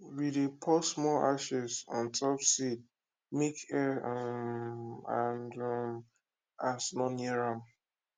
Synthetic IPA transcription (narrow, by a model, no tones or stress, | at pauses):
widepʰɔsmɔaʃɛsɔ̰̃ntʰɔpsid̚ | mikɛ | ãndm | asnɔ̃nɛɹãm